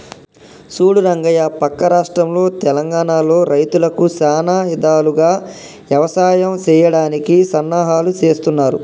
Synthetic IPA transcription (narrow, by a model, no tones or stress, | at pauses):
suːɽuɾɐŋɡɐjapɐkːɐɾaːʂʈɾɐmlo̞ːt̪ɛlɐŋɡaːɳaːlo̞ːɾʔɐjt̪ulɐkusaːnaːid̪aːluɡaː | ʋjɐʋɐsaːjɐmt͡ʃɛːjɐɽaːnikisɐnːaːɦaːlut͡ʃe̞ːst̪unːaːɾṵ